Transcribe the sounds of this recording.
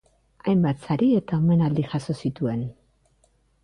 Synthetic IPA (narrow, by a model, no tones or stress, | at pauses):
ajmbat̪saɾie̞t̪aome̞nald̪iʝaso̞sit̪ue̞n